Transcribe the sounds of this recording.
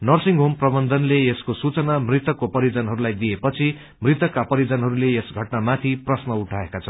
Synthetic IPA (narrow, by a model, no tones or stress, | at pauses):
nʌrsiŋɡɦomprʌbʌnd̪ʱʌnleeskosut͡sʌnamrit̪ʌkːopʌɾid͡zʌnɦʌɾulajd̪iepʌt͡sʰi | mrit̪ʌkːapʌɾid͡zʌnɦʌɾuleesɡʱʌʈnamat̪ʰiprʌsnʌuʈʰaekat͡sʰʌ